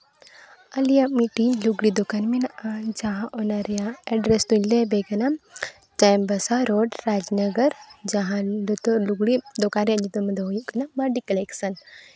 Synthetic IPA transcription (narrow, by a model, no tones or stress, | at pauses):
ɐlijamiʈiɲluɡɽid̪okanminand͡ʒaɦãʔonaɾjãɛɖɾest̪unlebekɐna | t͡ʃajmbɐsaɾoɖɾad͡ʒnɐɡəɾd͡ʒaɦãlt̪luɡɽid̪okaɾjãɲit̪umɐd̪ʱəɦojuʔkɐnamaɖikəleksən